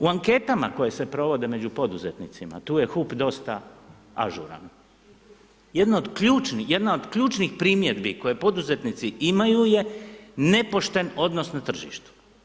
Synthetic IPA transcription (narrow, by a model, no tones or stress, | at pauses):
uaŋke̞t̪ama̰ko̞je̞se̞pɾo̞ʋo̞d̪e̞me̞d͡ʑupo̞d̪uzet̪nit̪sima̰t̪uːje̞xupd̪o̞st̪a | a̰ʒṵɾa̰n | jed̪naod̪kʎuːt͡ʃnije̞d̪nao̞d̪kʎuːt͡ʃnixpɾiːmje̞d̪biko̞je̞po̞d̪uze̞t̪nit̪siimajuje̞ne̞po̞ʃt̪e̞no̞d̪no̞snat̪r̩ʒḭʃt̪u̥